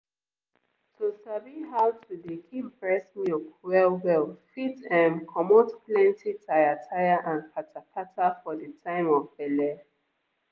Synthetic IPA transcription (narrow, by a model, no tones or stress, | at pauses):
tʰusabiɦawtʰudekʰibɹɛsmjukwɛlwɛlfitɛ̃mkʰɔmɔtplɛ̃ntʰitʰajatʰajaʔãnpʰatʰapʰatafɔdətʰãɪ̃mɔvbɛlɛ